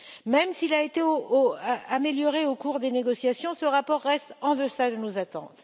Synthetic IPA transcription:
mɛmsilaet̪eooameljɔʁeokuʁd̪eneɡɔsjasjɔ̃səʁapɔʁːɛst̪ɑ̃d̪əsad̪ənozat̪ɑ̰̃t̪

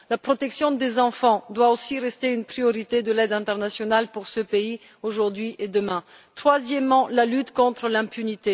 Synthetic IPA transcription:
lapχɔt̪ɛksjɔ̃d̪ezɑ̃fɑ̃d̪waosiʁɛst̪eynpχijɔʁit̪ed̪əlɛd̪ɛ̃t̪ɛʁnasjɔnalpuʁsəpei | oʒuʁd̪ɥiʔed̪əmɛ̃ | t̪χwazjɛmːɑ̃lalyt̪kɔ̃t̪χəlɛ̃pynit̪e

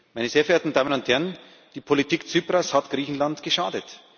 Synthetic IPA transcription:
maɪnəzeːɐɡeeːɐtn̩daːmənʊnthɛʁən | d̥iːpʰolitʰiːkt͡syːpʁashatɡ̥ʁiːçn̩lantɡ̥əʃaːdət

